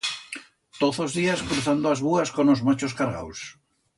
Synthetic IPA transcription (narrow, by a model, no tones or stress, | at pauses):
t̪oθozðiaskɾuθand̪oazβuaskonozmat͡ʃoskaɾɣa̰ws